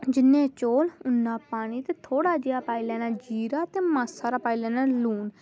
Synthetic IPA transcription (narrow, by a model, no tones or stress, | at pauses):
d͡ʒɪnːẽːt͡ʃoːlʊnːãːpaːɽ̃iːt̪eːt̪ʰoːɽaːd͡ʒɪjaːpaːɪlɛ̃ːnaːd͡ʒiːɾaːt̪eːmaːsaːɾaːpaːilɛ̃ːnaːluːn